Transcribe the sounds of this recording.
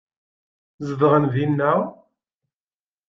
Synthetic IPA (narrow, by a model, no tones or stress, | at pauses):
zəðʁənðinːæ